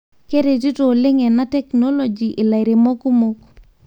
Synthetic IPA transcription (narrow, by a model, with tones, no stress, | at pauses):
ke˦ɾe˨ti˦to˨lɪ˦ŋɛ˨na˦tɛ˦knɔ˦lɔ˨d͡ʒi˨ʔɪ˨la˨ɪ˨ɾe˨mɔ˦ko˦mo˦k